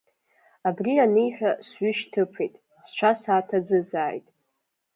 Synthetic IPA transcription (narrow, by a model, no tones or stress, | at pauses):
abrianijħʷᶣasɥʏʃtʰɨpʰejtʼ | st͡ʃʷʰasaːtʰad͡zɨd͡zaːjtʼ